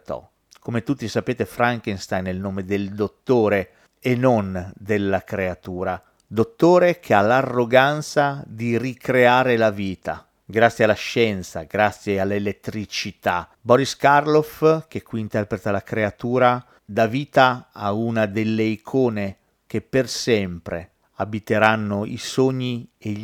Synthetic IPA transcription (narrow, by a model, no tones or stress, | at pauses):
t̪ɔ̰ | komet̪ut̪ːisapeːt̪efɾaŋkenst̪ajnːelnoːmed̪eld̪ot̪ːoːɾe | enond̪elːakɾeat̪uːɾa | d̪ot̪ːoːɾekʰealarːoɡant̪sad̪irikɾeaːɾelaviːt̪a̰ | ɡɾat̪sjealːaʃɛnt̪sa̰ɡɾat̪sːjealːelet̪ːɾit͡ʃit̪a̰ | bɔɾiskarlofkekːwiːnt̪ɛrpɾet̪alakɾeat̪uːɾa | d̪aviːt̪aa̰unad̪elːeikʰoːne | k̟epːersɛmpɾḛ | abit̪eɾanːoḭsoɲːie